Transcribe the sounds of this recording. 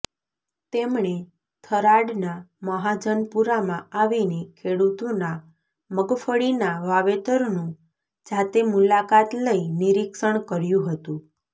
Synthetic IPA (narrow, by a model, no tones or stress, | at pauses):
t̪emɳe | t̪ʰəɾaɽnaməɦad͡ʒənpuɾamãaʋinekʰeɽut̪ona | məɡfəɽinaʋaʋet̪əɾnũ | d͡ʒat̪emulakat̪ləiniɾiksəɳkəɾjũɦət̪ũ